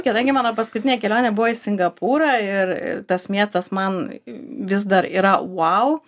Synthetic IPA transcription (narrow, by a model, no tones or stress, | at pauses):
kʲɛd̪ɐŋɡʲɪmɑːnoːpɐskʊt̪ʲɪnʲeɛkʲɛlʲoːnʲeːbʊʋoɪsʲɪŋɡɐpʰuːɾɐɪɾɪ̰t̪ɐsmʲiɛst̪ɐsmɐnʋʲɪzd̪ɐɾḭːɾɐwɐʊ